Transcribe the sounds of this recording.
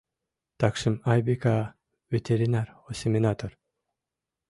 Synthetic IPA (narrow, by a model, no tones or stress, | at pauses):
t̪akʂɨmajbeka | vet̪ʰʲeɾinaɾosʲemʲinat̪oɾ